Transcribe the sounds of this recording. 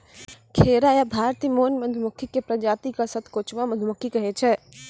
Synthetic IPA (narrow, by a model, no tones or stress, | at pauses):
kʰeːɾajabʱaːɾt̪imoːnməd̪ʱmʊkʰːikepɾɐd͡ʒaːt̪ikasət̪ʰkoːt͡ʃʋaməd̪ʱmʊkʰːikəɦɛt͡ʃʰɛ